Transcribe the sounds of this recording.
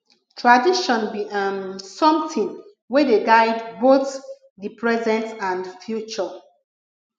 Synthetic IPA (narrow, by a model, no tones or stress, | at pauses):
tʰɹadiʃɔ̃nbiʔamsɔ̃mtĩn | wɛdeɡaɪdboθ | dipʰɹɛzɛ̃ntãndfjut͡ʃɔ